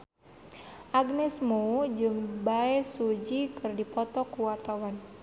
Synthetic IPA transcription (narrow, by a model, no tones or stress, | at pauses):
ʔaɡnɛsmoud͡ʒɨŋbaɛsud͡ʒikɨrdipɔt̪ɔkuwart̪awan